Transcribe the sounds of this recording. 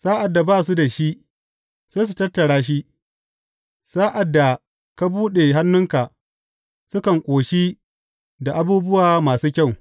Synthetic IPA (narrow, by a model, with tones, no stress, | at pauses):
saː˦ʔa˨dːa˨baː˦˨s̬u˦da˨ʃi˦ | se˦js̬u˨tɐ˦tːɐ˨ɽaː˦ʃ̬i˦ | saː˦ʔa˨dːa˨ | ka˦buː˦ɗe˨ɦa˦nːʊ˦ŋka˨ʔ | sʊ˦kɐ˨ŋkʷʼoː˨ʃi˦ | da˨ʔa˦buː˦bʊ˦waː˨maː˨suː˦kʲa˦˨w